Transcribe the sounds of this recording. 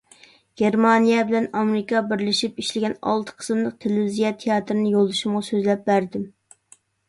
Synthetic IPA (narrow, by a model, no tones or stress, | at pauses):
ɡ̥ʲeɾmɑnijɛbɪlɛnɑmɪɾɪkɑbɪɾlɪʃipiʃlɪɡʲɛnɑ̰lˠt̪ʰə̥qʰə̥smlˠəq̚t̪ʰelzijɛt̪ʰejɑːt̪ɾɨnɪjolˠːɨʃumʁɑsøzlɛp̚bæɾd̪ɪm